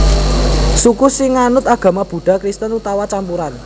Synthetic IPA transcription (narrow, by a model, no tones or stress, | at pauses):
sukusɪŋanʊt̪aɡ̥ä̤mab̥ṳɖ̥a̤kɾist̪ənut̪awat͡ʃampuɾan